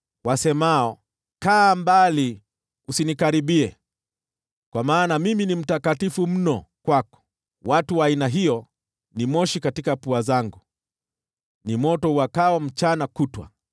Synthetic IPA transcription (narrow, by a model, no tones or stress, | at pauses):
wasɛmaɔ | kaːmbali | usinikaɾiɓiɛ | kwamaːnamiminim̩takatifum̩nɔkwakɔ̥ | watuwaːinaɦijɔ | nimɔʃikatikapuazaŋɡu | nimɔtɔuwakawam̩t͡ʃanakutwa̰